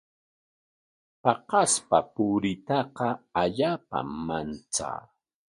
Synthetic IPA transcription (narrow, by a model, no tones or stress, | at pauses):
pɑqɑspapʊɾɪt̪ɑqɑaʎaːpa̰mant͡sa̰ː